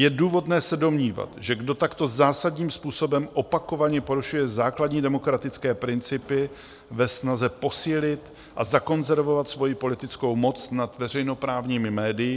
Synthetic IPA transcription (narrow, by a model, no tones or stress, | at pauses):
jɛduːvo̞dnɛːsɛdo̞mɲiːva̰t̪ʒɛɡdo̞t̪akt̪o̞zaːsadɲiːmspuːso̞bɛmʔo̞pako̞vaɲɛpo̞ɾuʃujɛzaːkladɲiːdɛmo̞kɾat̪ɪt͡skɛːpɾɪnt͡sɪpɪ | vɛsnazɛpo̞siːlɪt̪ | ʔazako̞nzɛɾvo̞vat̪svo̞jipo̞lɪt̪ɪt͡sko̞wmo̞t͡snat̪vɛr̝ɛjno̞pɾaːvɲiːmɪmɛːdɪjɪ